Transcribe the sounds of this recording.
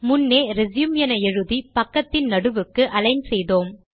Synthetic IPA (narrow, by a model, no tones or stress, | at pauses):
mʊnːeːɾɛzjʊmjɐnɐɛɻɯðipɐkːɐt̪ːɪnnɐɽɯʋɯkːɯʔɐlɐɪnsɛjðoːm